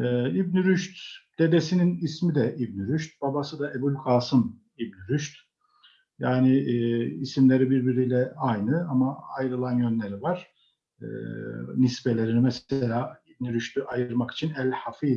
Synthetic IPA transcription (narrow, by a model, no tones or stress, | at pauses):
ɛibnyɾyʃt̪d̪̥e̞d̪esininismid̪ɛʔib̚nyɾyʃt̪̚b̥abasɯd̪aʔebulʲkʰaːsɯm | ibnyɾyʃt̪ | jaːniː | simlʲe̞ɾibiɾbiɾijlʲɛajnɯamaajɾɯlˠanjønlʲe̞ɾivaɾ̥̰ | nispelʲe̞ɾinimɛselʲaːib̚nyɾyʃt̪ʰyʔajɯɾmaki̥t͡ʃʰinælʲhafi